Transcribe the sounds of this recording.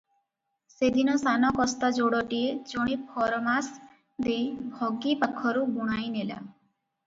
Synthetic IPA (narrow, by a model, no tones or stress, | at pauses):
sed̪ʱinɔsanɔkɔst̪ad͡ʒoɽɔʈied͡ʒɔɽ̃ipʰɔɾɔmas | d̪ejbʱɔɡipakʰːɔɾubuɽ̃ajnela̰